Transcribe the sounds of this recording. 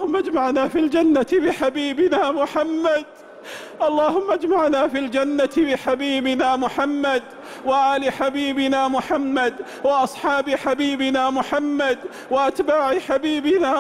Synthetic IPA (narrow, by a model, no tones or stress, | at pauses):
ʊmːad͡ʒmaʕnaːfild͡ʒanːat̪bɪħabiːbɪnaːmʊħamːad̪ | ʔɑlˤːɑːhʊmːad͡ʒmaʕnaːfiːld͡ʒanːat̪bɪħabiːbɪnaːmʊħamːad̪ | waʔaːlɪħabiːbɪnaːmʊħamːad̪ | wɪʔɑsˤħɑːbɪħabiːbɪnaːmʊħamːad̪ | wɪʔat̪baːʕɪħabiːbɪnaː